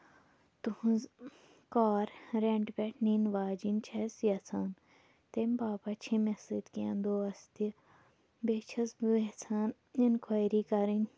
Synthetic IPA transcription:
t̪uhz | kaːɾɾeɳʈbeʈʰniːnʋaːd͡ʒint͡ʃʰesjɐt͡sʰaːn | t̪emʲbaːpat͡ʃʰĩmesit̪kãnd̪oːɐst̪i | bet͡ʃʰɐsbet͡sʰaːn | inkʰaːjɾiːkɐɾinʲ

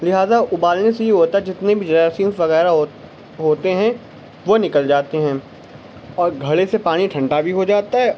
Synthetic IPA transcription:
lɪɦaːzaʊbaːlnesejeɦoːt̪aɦɛd͡ʒɪt̪nebʱid͡ʒɐaːsiːmsʋɐɣɛːɾaɦo | ɦoːt̪eɦɛ̃ | ʋonɪkəld͡ʒaːt̪eɦɛ̃ː | ɔːɾɡʱɐɽesepaːɽ̃iʈʰɐ̃ɳɖabʱiɦod͡ʒaːt̪aɦɛː

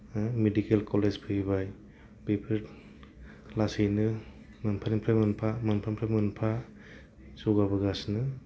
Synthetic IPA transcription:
medikelkɔlezpʰɯibaj | bepʰi | lasejnɯ | mɯnpʰanimpʰɾajmɯnpʰamɯnpʰɾampʰɾamɯnpʰa | soɡabɯɡasnɯ

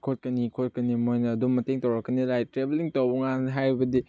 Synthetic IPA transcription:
kʰot̚kɐnikʰot̚kɐnimojnɐːdummɐteŋtɐwɾɐkːɐniɾajtɾebeliŋtowbɐŋanɦajɾibɐdi

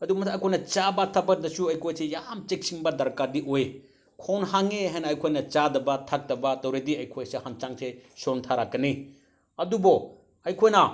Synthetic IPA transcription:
ɐdumɐsʰaɐjkʰojnɐt͡ʃabɐtʰabɐk̚dɐsuɐjkʰojsejamt͡ʃek̚siŋbɐdɐɾkadiʔoj | kʰownɦaŋeɦajnɐːjkʰojnɐt͡ʃadɐbɐtʰak̚tɐbɐtɐwɾediɐjkʰojsehant͡ʃaŋsesontʰaɾakːɐni | ɐdubɔ | ɐjkʰojnɐ

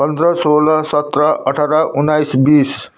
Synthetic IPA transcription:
pʌnd̪ɾʌsolʌsʌt̪ɾʌʔʌʈʰaɾaʔunːajsbis

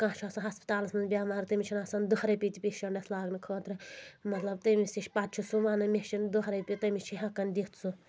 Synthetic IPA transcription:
kãːt͡ʃʰaːsɐɦɐspi̥t̪aːlɐsɐnbʲaːmaːɾt̪ɐmʲit͡ʃʰinasɐnd̪uɾɐjpʲit̪ʲipʲiʃɐɳɖɐslaːɡnikʰoːt̪ɾɨmɐt̪lɐb̚t̪ɐmisiʃʲpat̪̚t͡ʃʰusuʋaːnɐmʲeʃind̪uɦɾɐpʲit̪ɐmit͡ʃʰiɦɐkɐnd̪it̪ʰsu

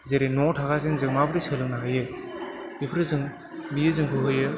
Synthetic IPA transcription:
zeɾenɔŋtʰaɡasenzɯŋmabɯɾisɯlɯŋnaɦajɯ | ipʰɾɯzɯŋ | mijɯzɯŋkʰɯɦɯjɯ

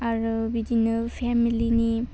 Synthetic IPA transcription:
aɾɔbid͡ʒinɐlpʰɛmilini

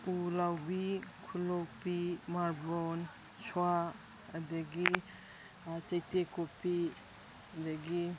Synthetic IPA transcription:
ulawbikʰulopimaɾbɔn | t͡ʃʰua | ɐd̪iɡi | t͡ʃɐjtekopi | əd̪iɡi

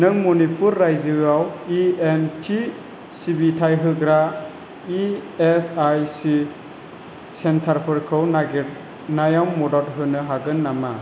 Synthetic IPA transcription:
nɯŋmɔnipʰuɾːajzɯawientʰi | sibitʰajɦɯɡɾa | iesajsi | sentʰaɾpʰɯɾkʰɯwnɡ | najawmɔdalɦɯnɯɦaɡɯnːama

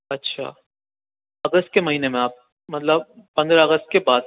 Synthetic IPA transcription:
ɐtːʃʰa̰ː | ɐɡəst̪̚kemɐɦiːnemẽaːp̚ | mɐt̪ləb̚pɐ̃nd̪ɾaɐɣəst̪̚kebaːd̪̚

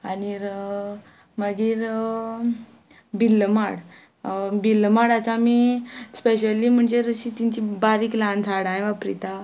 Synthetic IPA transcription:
aniɾ | məɡiːɾ | bilːmaɽ | bilːmaɽat͡samispeɕ̬əlim̤əɳd͡zeɾəɕit̪iɲt͡ɕibaɾiːklãnt͡sʰaɽãj̃ʋapɾḭt̪a

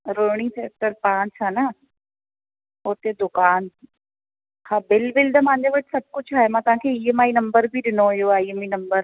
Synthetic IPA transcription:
ɾoːɽ̃ĩpʰeːk̚ʈəɾpãːt͡ʃaːna | oːɾt̪ed̪ʊkaːn | hãːbɪlbɪld̪ɐmãːɲd̪eʋɐʈsɐb̚kʊt͡ʃʰaːɦemãt̪ʊʋɦãːkʰeiəmaːinɐmbəɾbʱiɗɪnojoaːiːəminɐmbəɾ

